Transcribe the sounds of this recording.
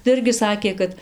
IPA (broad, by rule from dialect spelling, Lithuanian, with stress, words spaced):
tɐɪ ˈɪrʲɡʲɪ ˈsɑːkʲeː kɐt